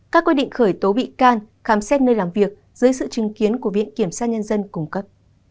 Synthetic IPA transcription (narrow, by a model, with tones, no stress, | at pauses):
kaː˦˥kːwi˧˥ɗḭ˧˨ŋ̟xəː˧˩jt̪o˨˦ɓḭ˧˨kaː˧n | xaː˨˦msɛ˦˥t̚nəː˧jlaː˨˩mvi˨˩ək̚ | z̥ɨ˨˦jsɨ̰˧˨t͡ɕi˨˦ŋki˨˦ənku˧˩əvḭ˧˨ənki˧˩əmsaː˧ɲə˧nzə˧nkʊ˨˩ŋ͡mkə˦˥p̚